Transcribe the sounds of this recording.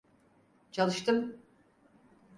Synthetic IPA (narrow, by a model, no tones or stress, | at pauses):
t͡ʃʰalˠɯʃt̪ɯm